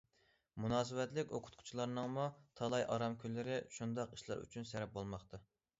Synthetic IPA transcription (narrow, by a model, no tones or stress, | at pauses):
munɑːs̬ɨvɛt̪lɪkʲoqʰʊ̥t̪̚qʰʊ̥t͡ʃʰilˠɑɾnɨŋmut̪ʰɑlˠɑjʔɑ̰ɾɑmkʲʰylːɪɾɪʃund̪ɑqiʃlˠɑ̰ɾʔy̰t͡ʃʰynsɛɾɛp̚bolˠmɑχt̪ʰɑ